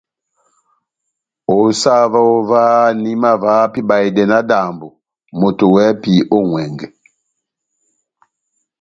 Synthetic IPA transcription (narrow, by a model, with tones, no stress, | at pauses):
o˨sa˦va˦o˦va˦ni˦ma˦va˨˦pi˦ba˨i˨dɛ˨na˦da˨mbu˨ | mo˨to˨wɛ˦pi˨ʔo˦ŋwɛ˨ŋɡɛ˨